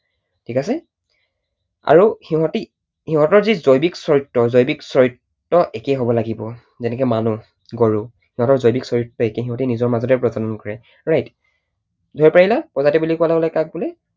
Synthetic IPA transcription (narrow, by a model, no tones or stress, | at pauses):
tʰikasɛ | a̰ɹuhiɦɔ̃ti | hiɦɔ̃tɔɹzizojbiksɔɹitːɔzojbiksɔɹitː | ɔʔekɛjɦobɔlaɡibɔ | zɛnɛkɛmanu | ɡɔɹu | hiɦɔ̃tɔɹzojbiksɔɹitːɔekɛɦiɦɔtinizɔɹmazɔtɛpɹɔdanɔnkɔɹɛ | ɹajt | dʱoɹipaɹilapɔzatɛbulikualaɡɔlɛkak̚bulɛ